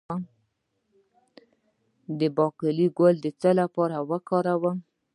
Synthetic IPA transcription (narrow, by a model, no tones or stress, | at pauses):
d̪əbɑkəliɡəld̪ət͡səlapɑɾawəkɑɾawə